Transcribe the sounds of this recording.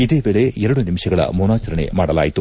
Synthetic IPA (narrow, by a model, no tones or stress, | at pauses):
id̪e̞ːʋeːɭe̞ɛɾɐɽunimʃɐɡɐɭɐ̰muːnaːt͡ʃɐɾɐɳḛmaːɽɐla̰ːjit̪u